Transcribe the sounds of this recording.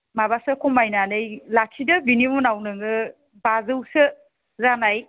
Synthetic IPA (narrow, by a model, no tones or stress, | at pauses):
mabasɯkʰɔmajnanɯjlakʰidɯbinimunawnɯŋɯ | bazɯwsɯ | zanaj